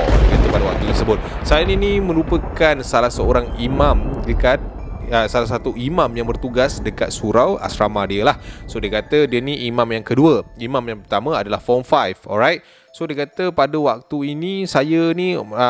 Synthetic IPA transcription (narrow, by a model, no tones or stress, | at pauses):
diəkat̪əpadəwak̚t̪ut̪ərsəbʊt̪̚sajəninimə̃ɾupəkansalahsəoɾaŋimãmdəkat̪̚ | əsalahs̬at̪uʔimãmjaŋbərt̪uɡasdəkat̪̚suɾawa̰sɾamadiəlahsodiəkat̪ədiəniʔimãmjaŋkəduəimãmjaŋpərt̪amə̃adalahfɔmfajfɔ̰lɾajt̪̚ | sodiəkat̪əpadəwak̚t̪uinisajəniə